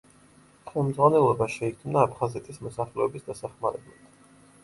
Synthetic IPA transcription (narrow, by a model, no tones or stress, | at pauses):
χɛlˠmd̪zʁwanɛlˠɔbaʃɛikʰmnaːpʰχazɛt̪ʰʼismɔsaχlɛɔbisd̪asaχmaɾɛblˠa̰t̪ʰ